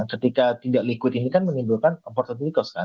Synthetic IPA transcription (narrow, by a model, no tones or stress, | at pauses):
kət̪ikat̪idaʔlikwɪt̪inikanmənibulkanpɔrt̪ɔt̪ɾikɔska